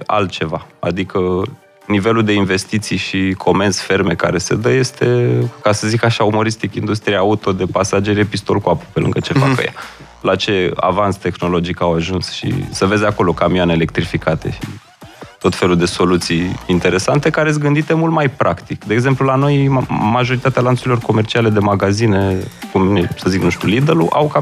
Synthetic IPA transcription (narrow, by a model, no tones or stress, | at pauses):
a̰lt̪̚t͡ʃe̞vaa̰d̪ikə | nive̞luld̪e̞inve̞st̪it̪sijʃikʰo̞me̞nsfe̞ɾme̞kaɾe̞sed̪əje̞st̪e̞kasəzikaʃaumo̞ɾist̪ikind̪ust̪ɾijaaut̪o̞d̪e̞pasad͡ʒeɾepist̪o̞lkuapu̥pelɨ̰ŋɡət͡ʃe̞fakə̰ja̰ | lat͡ʃe̞a̰vanst̪e̞xno̞lo̞d͡ʒikawaʒunsʃḭsəve̞zeako̞lo̞kamioaneele̞k̚t̪ɾifikat̪e̞̰ʃḭ | t̪o̞t̪fe̞lud̪e̞so̞lut̪sijint̪e̞ɾe̞sant̪e̞kaɾesʲɡɨnd̪it̪e̞mult̪majpɾʔakt̪ikd̪eeːɡze̞mplulano̞jmaʒo̞ɾit̪at̪ealant̪suɾilo̞rko̞me̞rt͡ʃiale̞d̪e̞maɡazine̞kumesəziknuʃt̪ʲulid̪eluʔa̰wka